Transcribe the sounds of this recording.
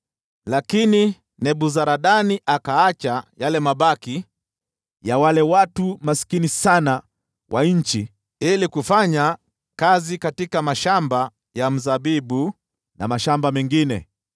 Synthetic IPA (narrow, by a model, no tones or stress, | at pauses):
lakini | nɛɓuzaɾaɗaniʔakaat͡ʃajalɛmaɓaki | jawalɛwatumasi̥kinisana | wʔaɲ̩t͡ʃi | ilikufaɲa | kazikatikamaʃamba | jam̩zaɓiɓu | na̰maʃambamɛŋɡinɛ̰